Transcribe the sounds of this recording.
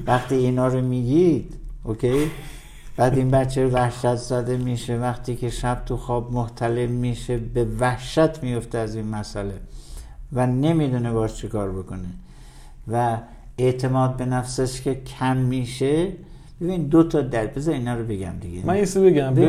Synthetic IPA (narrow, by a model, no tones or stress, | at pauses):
væxt̪iːnɒːɾomiːɡʲid̪̥okʰʲe̞j | b̥æːd̪inbætt͡ʃʰːeɾovæhʃæt̪ʰzæd̪e̞miʃevæxt̪ʰiːkʰe̞ʃæb̥̚t̪ʰuxɒːbmoht̪ʰæle̞mmiːʃe̞be̞væhʃæt̪ʰmijo̞ft̪eæzinmæsæle̞ | væne̞mid̪une̞bɒːʃt͡ʃʰekɒːɾbo̞kone | væ | e̞ʔt̪ʰe̞mɒːd̪̚be̞næfseʃkʲʰekʲʰæmːiːʃe | b̥ebind̪ot̪ʰɒːd̪æɾbezɒɾiːnɒːɾobe̞ɡæ̰md̪iɡemænisebeɡæm